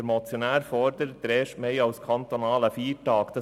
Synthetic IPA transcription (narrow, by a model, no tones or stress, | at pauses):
ɾmɔt͡sjɔnæːɾfɔɾd̪əɾd̪̥ɾeːʃmeɪɑʊskʰɑnt̪onɑːləfiːʈɑːkd̪ə